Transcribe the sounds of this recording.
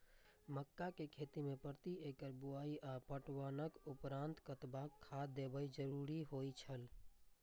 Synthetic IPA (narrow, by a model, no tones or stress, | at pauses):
məkːakekʰet̪imepəɾt̪iekəɾbuaːiʔapəʈwaːnəkʊpɾãnt̪kət̪bakʰːad̪ebəjd͡ʒəɾuɾiɦojt͡ʃʰəl